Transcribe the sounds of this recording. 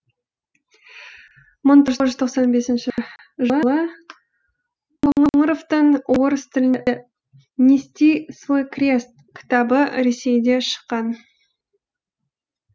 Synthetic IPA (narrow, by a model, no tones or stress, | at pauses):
mʊnt̪ʒʏzt̪ʰoqsɑnbe̞sɪnʃɪ | ʒəəlˠə | moɴəɴəɾo̞ft̪əɴwo̞ɾəst̪ʰɪlɪn | nʲest̪ijsvo̞jkrʲe̞st̪̚kʲʰɪ̥t̪ɑbəɾe̞se̞jd̪e̞ʃə̥qːɑn